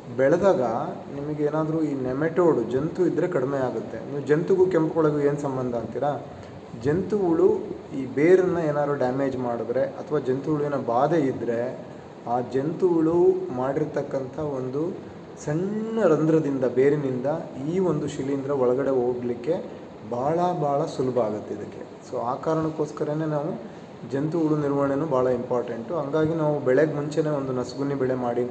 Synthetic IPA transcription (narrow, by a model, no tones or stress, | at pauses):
bɛɭɐd̪aːɡɐ | nimɐɡeeːnaːd̪ɾuiːnɛmeʈoːɽud͡ʒe̞nt̪uid̪ɾe̞kɐɽimeaːɡut̪ːe̞̰niːʋud͡ʒent̪uɡukempɐkɔɭɐɡueːnusɐmbɐnd̪ʱɐɐnt̪iɾa | d͡ʒe̞nt̪uʋuɭu | iːbeːɾɐnːɐeːnaːd̪ɾuɖaːme̞ːd͡ʒmaːɽud̪ɾe̞ʔɐt̪ʰɐʋaːd͡ʒe̞nt̪uʋuɭʋinɐbaːd̪eid̪ːɾe̞ | aːd͡ʒent̪uʋuɭumaːɽiɾt̪ɐkːɐnt̪ʰɐo̞nd̪u | sɐnːɐɾɐnd̪ɾɐd̪ind̪ɐbeːɾinind̪ɐiːo̞nd̪uʃilːind̪ɾɐɔɭɐɡɐɽe̞oːɖlikːe̞ | bʱaːɭɐbʱaːɭɐsulɐbʱɐaːɡut̪ːeid̪ɐkːe̞̰ | soːaːkaːɾɐɳɐkːoːskɐɾene̞ːnaːʋu | d͡ʒe̞nt̪uɭuniɾʋɐɳenuːbaːɭɐimpaːɾʈeɳʈuɦɐŋɡaːɡinaːʋubɛɭeɡmuɲt͡ʃene̞ːo̞nd̪unɐsɡunibɛɭe̞maːɽi